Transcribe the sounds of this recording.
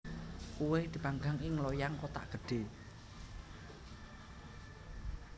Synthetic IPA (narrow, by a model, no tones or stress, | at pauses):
kuwehd̪̥i̤paŋɡaŋɪŋlɔjaŋkot̪a̰ʔɡ̥ə̤ɖ̥e̤